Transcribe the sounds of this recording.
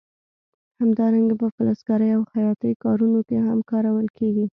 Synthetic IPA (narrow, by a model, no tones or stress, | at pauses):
hamd̪ɑɾaŋɡapəfələsɡaɾəjawhajɑt̪əjkɑɾunokehamkɑɾawəlkeɡi